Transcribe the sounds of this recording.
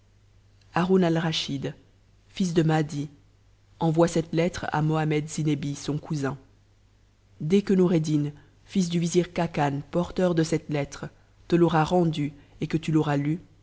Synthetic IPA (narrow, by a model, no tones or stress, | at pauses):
aʁunalʁaʃid̪ | fis̬d̪əmad̪i | ɑ̃vwasɛt̪lɛt̪χa̰mɔamɛd̪zinebisɔ̃kuzɛ̃ | d̪ɛkənuʁed̪in | fis̬d̪yviziʁkakanpɔʁt̪œʁd̪əsɛt̪lɛt̪χ | t̪əlɔʁaʁɑ̃d̪y | ekət̪ylɔʁaly